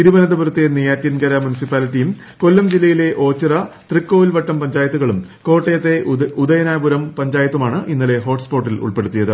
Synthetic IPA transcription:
iɾubɐnɐd̪ɐpurɐt̪ːenijaːtjɐnɡɐɾɐmjunisipːaːlitːijum | kolːɐmd͡ʑilːɐjile̞ʔo̞ːt͡ɕːirɐt̪rikːo̞ːʋilʋɐʈːɐmpɐɲd͡ʑaːjɐt̪ːuɣɐɭumko̞ːʈːejɐt̪ːe̞ud̪ɐjɐnaːjbuɾɐmpɐɲd͡ʑaːjɐt̪ːumaːɳɨʔinːɐle̞ɦo̞ːʈspo̞ːʈːilṵɭpe̞ɽut̪ːijɐðɨ

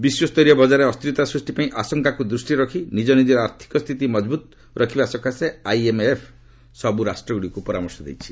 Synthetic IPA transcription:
biswɔst̪ɔjɾjɔbɔd͡ʒaɾeɔst̪ɾit̪asɾusʈipaĩʔasɔŋkakud̪ɾusʈiɾɔkʰinid͡ʒɔnid̪ɔɾaɾt̪ʰi̥kɔst̪ʰit̪̬imɔd͡ʒbut̪ | ɾʔɔkʰibasɔkaseajemepʰ | sɔbuɾasʈɾɔɡuɽiɔkupɔɾamɔɾsɔd̪ḛjt͡ʃʰi̥

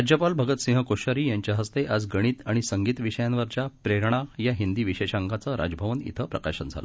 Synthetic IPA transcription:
d͡ʑjəpalbʱəɡət̪sĩɦəkoɕəɾiːjaɲt͡ɕjaɦəst̪eʔad͡zɡəɽ̃iːt̪aɽ̃isəŋɡiːt̪ʋiɕəjanʋəɾt͡ɕjapɾeɾɳajaɦind̪iːʋiɕeɕaŋkat͡səɾa̰d͡ʑbʱəʋənḭt̪ʰəpɾə̰kaɕənd͡zʱa̰l̰

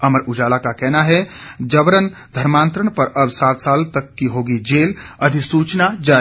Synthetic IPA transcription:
əməɾud͡ʒaːlakakɛɦnaɦɛd͡ʒəbɾənd̪ʱəɾmãːnt̪ɾəɳ̃pəɾəbsaːt̪saːlt̪əkːiɦoːɡid͡ʒeːləd̪ʱisuːt͡ʃnad͡ʒa

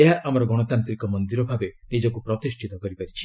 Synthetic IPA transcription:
eɦaʔamɔɾɔɡɔɽ̃ɔt̪ant̪ɾikɔmɔnd̪iɾɔbʱabe | nid͡ʒɔkupɾɔt̪isʈʰit̪ɔkɔɾipaɾit͡ʃʰi̥

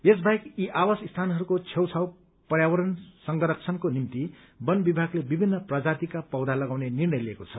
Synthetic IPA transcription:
esbʱajkiʔawasist̪ʰanɦʌɾukot͡sʰewt͡sʰaw | pʌrjawʌɾʌnsʌŋɡʌɾʌk̚t͡sʰʌnkonimt̪i | bʌnbibʱaɡlebibʱinːʌprad͡zat̪ikapʌwd̪ʱalʌɡawnenirnʌjliekot͡sʰʌ

